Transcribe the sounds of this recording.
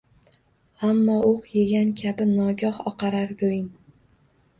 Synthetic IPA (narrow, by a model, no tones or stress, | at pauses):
amːɒoqjeɡʲankʲʰabɪnɒɡʲɒhɒqʰɑɾaɾɾojɪn